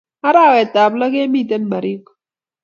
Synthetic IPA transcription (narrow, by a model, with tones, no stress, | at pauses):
a˦ɾaː˦we˨t̪a˨blɐ˦ɡe˦mi˦˨t̪ɐ˦nbɐ˨ɾi˦k